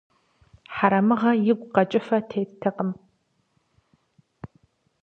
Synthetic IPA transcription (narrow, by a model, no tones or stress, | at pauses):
ħaɾɐmɨʁɐjɪɡʷqɐt͡ʃʼɪfɐtʰeːttʰɨqəm